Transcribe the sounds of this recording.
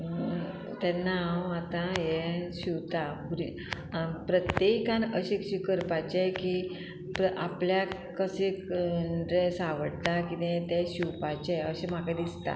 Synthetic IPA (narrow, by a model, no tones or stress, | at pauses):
t̪ɛnawat̪ãjɛɕiwt̪apuɾi | pɾət̪jekãnəɕekɕikəɾpat͡ɕeki | pəʔa̰plja | kəsekɖɾesaʋəɽt̪akit̪ẽt̪ɛɕiwpat͡ɕeəɕem̤akad̪ist̪a̰